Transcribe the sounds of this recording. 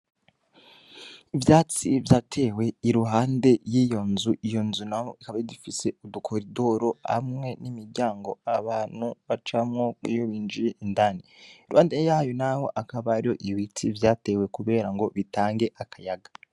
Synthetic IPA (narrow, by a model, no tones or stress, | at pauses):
ivjaːt͡sivjaːtʰe̞we̞iɾuɦaːnde̞jijo̞nzuʔijo̞nzunaho̰ikaβaidufise̞udukʰoɾido̞ɾo̞ha̰mŋe̞nimiɾɟaːŋɡo̞aβaːn̥huβat͡ʃamŋo̞kwḭjoβiːnd͡ʒijeʔindaniiɾuhaːndejaːjonaho̞̰ʔakaβaɾijoʔiwit͡sʰivjaːte̞ːwe̞kuβe̞ːɾaŋɡo̞βitaːŋɡe̞ʔakʰajaɡḁ